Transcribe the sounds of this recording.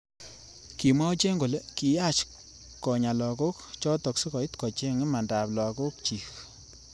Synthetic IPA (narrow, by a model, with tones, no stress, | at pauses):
ki˨ma˦t͡ʃe˦ŋɡo˨le˦ki˨ja˦t͡ʃ | kɔ˨ɲa˨lɔ˨ko˦kt͡ʃɔ˦tɔ˨ksi˦kɔ˨i˦tkɔ˨t͡ʃe˦ŋi˦ma˨nda˨plɔ˨ko˦k̚t͡ʃi˨k